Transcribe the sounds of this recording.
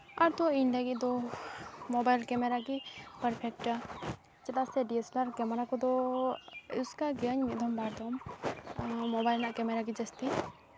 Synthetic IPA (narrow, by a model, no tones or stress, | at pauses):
aɾt̪ɔiɳɖaɡiʔd̪ɔ | mɔbajlkɛmɛɾakipaɾpʰɛk̚ʈa | t͡ʃɛt̪asɛɖiɛslaɾkɛmɛɾakɔd̪ɔ | uskaɡəɲmɛʔd̪ɔmbaɾd̪ɔm | mɔbajlnaʔkɛmɛɾaɡ̬id͡ʒɛst̪i